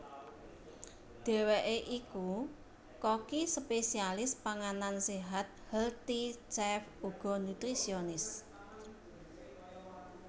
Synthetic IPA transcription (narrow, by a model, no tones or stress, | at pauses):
d̪̥e̤weʔeʔiku | kɔkisəpesialɪspaŋananseɦat̪̚hɛlt̪it͡ʃɛfuɡ̥ɔ̤nut̪ɾisionɪs